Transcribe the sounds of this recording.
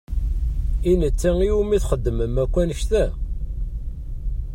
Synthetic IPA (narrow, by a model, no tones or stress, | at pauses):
inət͡sːæŋiumiθχəd̪ːəməmækʷːænəʃt̪æ